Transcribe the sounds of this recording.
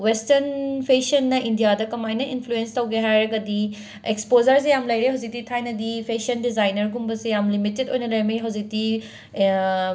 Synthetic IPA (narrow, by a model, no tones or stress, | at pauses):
westɐɾnpʰesɐnːɐʔindijadɐkɐmajnɐinpʰluenstɐwɡeɦajɾɐɡɐdi | ekspozɐɾs̬ejamlɐjɾeɦɐwd͡ʒik̚titʰajnɐdipʰesiɐndizajnɐɾɡumbɐsejamlimitetojnɐlɐjɾmijɦɐwzik̚ti